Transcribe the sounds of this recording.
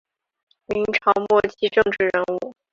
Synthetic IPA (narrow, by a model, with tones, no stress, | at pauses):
mi˧˥ŋʈ͡ʂʰɑ˧˥ʊmwɔ˥˩t͡ɕʰi˥ʈ͡ʂɤ˥˧ŋʈ͡ʂɻ̩˥˩ɻə˧˥nu˥˩